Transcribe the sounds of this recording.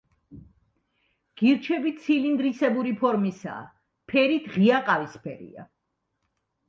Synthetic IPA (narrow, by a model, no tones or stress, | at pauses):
ɡ̥iɾt͡ʃʰɛbit̪sʰilind̪ɾisɛbuɾipʰɔɾmisa̰ː | pʰɛɾit̪ʰʁiaqʼavispʰɛ̰ɾḭa̰